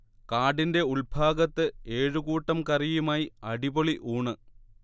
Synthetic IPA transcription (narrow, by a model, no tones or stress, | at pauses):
kaːɖinde̞uɭbʱaːɡɐt̪ːɨe̞ːɻɨɣuːʈːɐmkɐrijumaːjiɐɽiboɭiʔuːɳɨ